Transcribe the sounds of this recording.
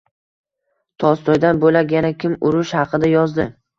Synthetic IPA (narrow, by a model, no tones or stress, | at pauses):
t̪ʰɒst̪ʰɒjd̪anbolajanakʲʰɪmʊɾʊʃhɑqʰɨd̪ajɒzd̪ɪ